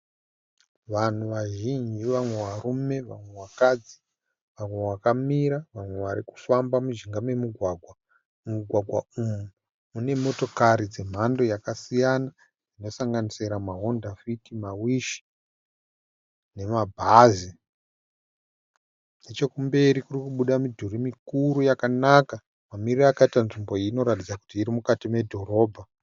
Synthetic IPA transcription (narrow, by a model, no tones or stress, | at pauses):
ʋan̤uʋaʒind͡ʒiʋamwe̞ʋaɾume̞ʋa̰mwe̞wakad͡zi | ʋamwe̞wakamiɾaʋamwe̞ʋaɾiku̥fambamuʒiŋɡame̞muɡʱwaɡʱwa | muɡʱwaɡʱwa̰umu | mune̞mo̞to̞kaɾid͡ze̞m̤ando̞jakasijana | ino̞saŋɡaniseɾamaɦo̞ndafitimawiʃi̥ | ne̞mabʱazi | net͡ʃe̞kumbe̞ɾikurikuɓuɗamidʱurimikuɾujakanaka | mamiriraːkaitanʐimbo̞ino̞ɾatid͡zaku̥tiːɾimukatime̞dʱo̞ɾo̞ːbʱa